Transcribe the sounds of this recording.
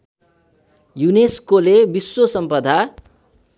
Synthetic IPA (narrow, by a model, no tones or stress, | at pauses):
juneskolebisːosʌmpʌd̪ʱa